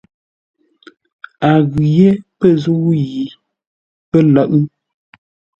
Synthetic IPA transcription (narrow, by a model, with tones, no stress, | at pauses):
a˨ɣʉ˨je˦pə˦˨zu˦wu˦ji˨ | pə˦lə˦˨ʔ